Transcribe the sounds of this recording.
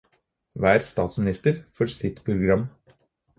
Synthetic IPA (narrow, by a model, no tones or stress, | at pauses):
ʋæːɾst̪ɑːt̪smɪnɪst̪əɾfɔɾsɪt̪pʰɾʊɡɾɑmː